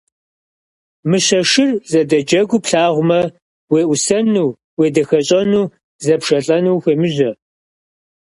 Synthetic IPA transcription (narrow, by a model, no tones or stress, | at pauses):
mɨɕɐʂɪrzɐdɐd͡ʒɐɡʷʊpɬaːʁʷʊmɐ | weːʔʷʊsɐnuː | weːdɐxɐɕʼɐnuː | zɐpʂɐɬʼɐnuːxʷeːmɨʑɐ